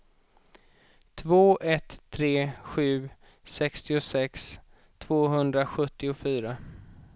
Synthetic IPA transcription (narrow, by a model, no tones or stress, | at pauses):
t̪ʰvoːʔɛt̪ʰːɾeːɧʉ̟ː | sɛkst̪ɪʊsɛks | t̪ʰvoːɦɵnd̪ɾaɧɵt̪ːɪʊfyːɾa